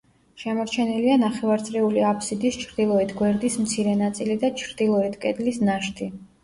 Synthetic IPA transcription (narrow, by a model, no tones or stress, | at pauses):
ʃɛmɔɾt͡ʃʰɛnɛlianaχɛvaɾt̪sʼɾɛuliapʰsid̪ist͡ʃʰɾd̪ilˠɔɛt̪ʰɡwɛɾd̪ismt̪sʰiɾɛnat̪sʼilid̪at͡ʃʰɾd̪̥ilˠɔɛt̪ʰkʼɛd̪lisnaʃt̪ʰi